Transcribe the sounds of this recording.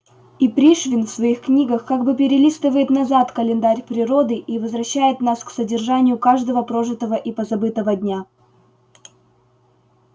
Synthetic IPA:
ipɾʲiʂvʲɪnfsvɐixknʲiɡəxkaɡbɨpʲɪɾʲɪlʲist̪əvəjɪt̪nɐzat̪kəlʲɪnd̪aɾʲpɾʲɪɾo̞d̪ɨʔivəzvɾɐɕːæjɪt̪nasksədʲɪrʐanʲɪjʊkaʐd̪əvəpɾoʐɨt̪əvəʔipəzɐbɨt̪əvəd̪ʲnʲa

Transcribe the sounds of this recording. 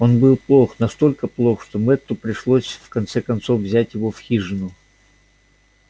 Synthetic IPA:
o̞nbɨlˠplˠo̞xnɐst̪o̞lʲkəplˠoxʂt̪omɛt̪ːʊpɾʲɪʂlˠosʲfkɐnt̪sɛkɐnt̪so̞fvzʲætʲjɪvo̞fxʲiʐɨnʊ

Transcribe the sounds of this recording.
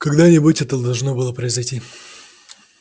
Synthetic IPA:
kɐɡd̪anʲɪbutʲɛt̪əd̪ɐlˠʐno̞bɨlˠəpɾəɪzɐjtʲi

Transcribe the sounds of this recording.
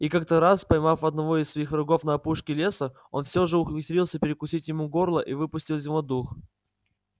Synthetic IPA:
ikak̚t̪əɾaspɐjmafɐd̪nɐvo̞ɪsvɐixrʊɡo̞fnɐɐpuʂkʲɪlʲe̞sə | o̞̰nfsʲoʐɨʊxvʲɪt̪ɾʲilˠsʲəpʲɪɾʲɪkʊsʲitʲjɪmuɡo̞rlˠəʔivɨpʊsʲtʲilˠzʲɪmɐd̪ux

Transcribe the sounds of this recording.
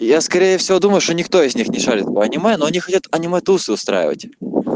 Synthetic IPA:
jaskɐɾʲejəfsʲɪvo̞d̪uməjʊʂt̪onʲɪkt̪o̞ɪzʲnʲixnʲɪʂalʲɪt̪ɐɐnʲɪmɛnoɐnʲixɐtʲat̪ɐnʲɪmɛt̪usɨʊst̪ɾa̰jɪ̰və̰tʲ

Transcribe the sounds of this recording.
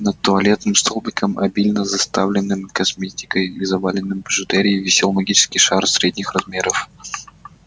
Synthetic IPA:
nət̪̚t̪ːʊɐlʲe̞t̪nɨmst̪olˠbʲɪkəmʔɐ̰bʲilʲnəzɐst̪avlʲɪnːɨmkɐsmʲetʲɪ̥kəjizɐvalʲɪnːɨmbəʐɨt̪ɛɾʲɪivʲɪsʲelˠmɐɡʲit͡ɕɪ̥skʲɪjʂarsʲɾʲedʲnʲɪxrɐzmʲeɾəf

